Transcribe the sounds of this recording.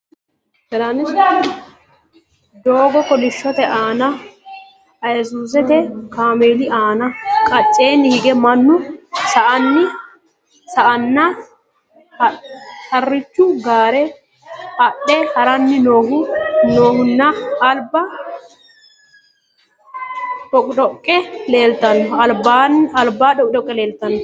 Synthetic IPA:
ɛɾɐn | d̪oːɡɔkːɔlɪʃːɔt̪ɛʔaːnɐ | ɐjɛsuːs̬ɛt̪ɛkaːmeːlɪaːnɐkʼɐt͡ʃʼːeːnːɪhɪɡɛmɐnːʊsɐʔɐnːɪ | sɐʔɐnːɐ | hɐrːɪt͡ʃːʊɡaːɾɛ | ɐɗːɛhɐɾɐnːɪnoːɦʊnoːhʊnːaːlbɐ | ᶑɔkʼᶑɔkʼːɛleːlt̪ɐnːɔɐlbanɐlbaːᶑɔkʼᶑɔkʼːɛle̞ːlt̪ɐnːʊ

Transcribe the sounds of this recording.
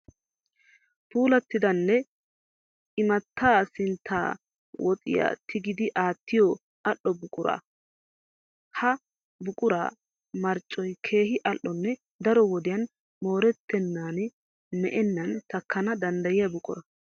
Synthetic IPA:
puːlɐt̪ːɪd̪ɐnːɛ | ɪmɐt̪ːaːsɪnt̪ʰːa̰ː | wɔt̪ʼɪ̰ja̰t̪ʰɪɡɪd̪ɪʔaːt̪ːɪjɔ | ʔɐʔːɔbʊkʼʊɾa̰ː | hɐ | bʊkʼʊɾa̰ː | mɐɾt͡ʃʼːɔjkʰe̞ːhɪʔɐʔːɔnːɛ | d̪ɐɾɔwɔd̪ɪjɐn | mo̞ːɾɛt̪ːɛnːaːn | mɛʔɛnːɐnt̪ɐkʰːɐnɐd̪ɐnd̪ɐjɪjɐbʊkʼʊɾɐ

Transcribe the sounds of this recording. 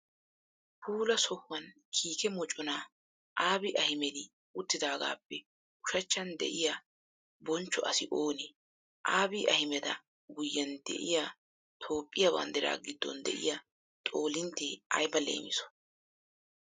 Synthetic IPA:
pʰuːlɐsɔhwɐn | kʰiːkɛmɔt͡ʃʼɔnaː | ʔaːbɪʔɐhɪmɛd̪ɪ | ʊt̪ːɪd̪aːɡa̰ːpːɛ | ʊʃɐt͡ʃːɐnd̪ɛ̰ʔɪja | bɔnt͡ʃːɔʔɐsɪʔoːnɪ | ʔaːbɪʔɐhɪmɛd̪ɐ̰ | ɡʊjːɐnd̪ɛ̰ʔɪjaː | t̪ʰo̞ːpʼːɪjɐbɐ̰nd̪ɛɾa̰ːɡɪd̪ːɔ̰nd̪ɛ̰ʔɪ̰ja | t̪ʼo̞ːlɪnt̪ːeːɐ̰jbɐlḛːmɪsɔ̥

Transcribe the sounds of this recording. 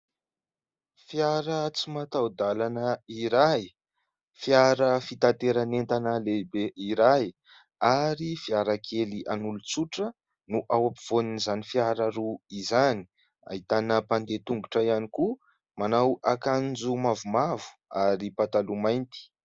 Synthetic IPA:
fiaɾət͡simat̪awd̪alanəiɾaj | fiaɾəfit̪ant̪eɾanent̪anəlebeiɾaj | aɾifiaɾakʰeliʔanulut͡suʈ͡ʂə | nuʔawapiv̥oninizanifiaɾəɾuizani̥ | a̰ɦit̪anəpand̪et̪uŋɡuʈ͡ʂəianiku | manawakand͡zumavumavu̥aɾipat̪alumajnt̪i̥

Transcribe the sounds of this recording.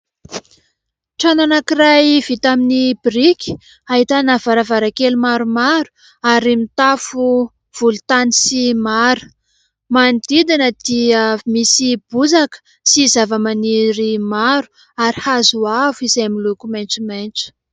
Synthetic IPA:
ʈ͡ʂananakirajv̥it̪aminibiɾikʲi̥ | aɦit̪anavaɾavaɾakelumaɾumaɾu̥ | aɾimit̪afu | v̥ulut̪anisimaɾə̥ | mand̪̥id̪inəd̪̥iəmisib̥uzakə̥ | sizavəmaniɾimaɾu̥ | aɾihazuavuizajamilukumajnʈ͡ʂimajnʈ͡ʂə̥

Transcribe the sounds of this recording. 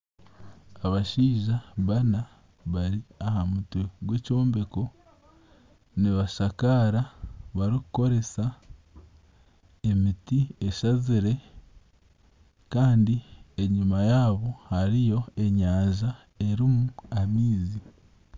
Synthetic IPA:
aβaʃiːʒaβana | βaɾiahamutweɡwe̞ːco̞ːmbe̞ko̞ | niβaʃakaɾaβaɾiku̥ko̞ɾe̞sa | e̞mitie̞ʃaziɾe̞ | kaːndie̞ɲumajaːβo̞haɾijo̞e̞ɲaːʒa | e̞ɾimuamiːzi

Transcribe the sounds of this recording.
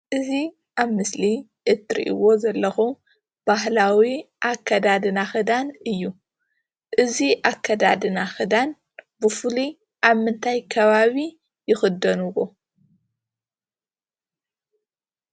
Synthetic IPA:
ʔɨzi | ʔaβmɨsli | ʔɨt̪ʰːɨɾḭʔḭwo̞zɐlːɐxu | b̥aɦlawiʔakʰːɐd̪ad̪ɨnaxɨd̪anɨjːu | ʔɨziʔakʰːɐd̪ad̪ɨnaxɨd̪an | bɨfuli | ʔaβmɨnt̪ʰajkʰɐβaβi | jɪxɨd̪ːɐnuwo

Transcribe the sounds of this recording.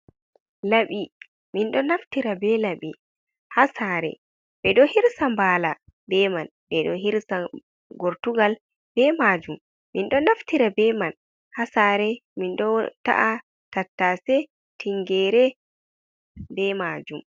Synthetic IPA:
laɓi | minɗɔnaftiɾabɛlaɓi | hasaɾɛ̰ | bɛɗɔhiɾsambaːla | bɛman | bɛɗɔɦiɾsa | ɡoɾtuɡal | bɛmad͡ʒumː | inɗɔnaftiɾabɛman | hasaɾɛminɗɔta̰ʔa | tatːasɛ | tiŋɡɛːɾɛ | bɛmad͡ʒum

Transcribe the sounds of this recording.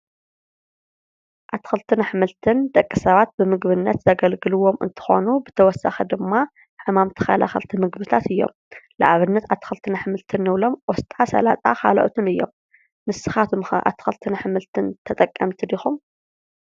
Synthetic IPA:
ʔat̪ʰːxɐlt̪ʰɨnħɨmɨlt̪ʰɨnd̪ɐkʼːisɐβat̪̚bɨmɨɡβɨnːɐt̪zɐɡɐlɡɨlɨwo̞mɨ̰nt̪ʰɨ̥xo̞̰nubɨt̪ʰɐwɔsːa̰xid̪ɨmːa | ħɨmamt̪ʰɐ̥xa̰la̰xɐlt̪ʰimɨɡbɨt̪ʰat̪ɨjːo̞̰m | lɨʔaβɨnːɐt̪at̪ʰːɨ̥xɨlt̪ʰɨnħɨmɨlt̪ʰɨnːɨβlomʔɔst̪ʼasɐ̰lat̪ʼa̰xa̰lʔot̪ʰɨnɨjːo̰m | mɨsːɨxat̪ʰumxɐ̰ʔa̰t̪ʰːɨ̥xɐlt̪ʰɨnħɨmɨlt̪ʰɨnt̪ʰɐt̪ʼɐkʼːɐmt̪ʰid̪ixum

